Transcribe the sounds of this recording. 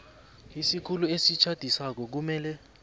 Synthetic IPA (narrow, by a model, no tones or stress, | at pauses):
isikʰuluesit͡ʃʰad̥ʱisak̬ɔk̬umɛːlɛ